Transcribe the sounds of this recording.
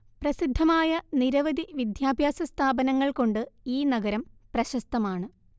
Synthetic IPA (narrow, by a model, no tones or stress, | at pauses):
prɐsid̪ʱːɐmaːjɐniɾɐʋɐd̪iʋid̪jaːbʱjaːsɐst̪ʰaːbɐnɐŋːɐɭko̞ɳɖɨiːnɐɡɐɾɐmprɐɕɐst̪ːɐmaːɳɨ